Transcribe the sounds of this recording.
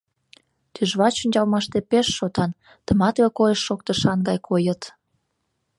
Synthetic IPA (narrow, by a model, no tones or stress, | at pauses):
t̪yʒβɑt͡ɕunʲd͡ʑɑlmɑʃt̪epeʃːot̪ɑn | t̪əmɑt̪βekojəʃːok̚t̪əʃɑnɡɑjkʰojət̪